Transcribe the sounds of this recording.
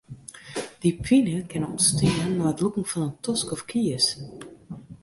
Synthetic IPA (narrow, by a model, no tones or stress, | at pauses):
d̥ipʰinəkʰɛnɔ̰nstinːɔətlukŋ̩fɔnəntʰɔskɔfkʰiəs